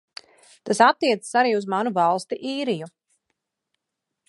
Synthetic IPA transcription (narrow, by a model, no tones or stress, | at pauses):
t̪asat̪ːiɛt̪sə̥saɾiːuzmanuvalˠst̪iʔiːɾiju